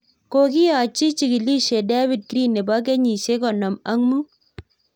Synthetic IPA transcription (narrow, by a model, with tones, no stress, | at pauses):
ko˨ki˦a˨t͡ʃi˦t͡ʃi˨ki˨li˦ʃe˨de˦bi˨d̚kɾi˦ne˨ba˦k̬ɛ˦ɲi˨ʃe˦kɔ˨na˨ma˦ŋmu˦